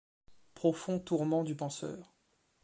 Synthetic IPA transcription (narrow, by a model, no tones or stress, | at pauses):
pχɔfɔ̃t̪uʁmɑ̃d̪ypɑ̃sœ̰ːʁ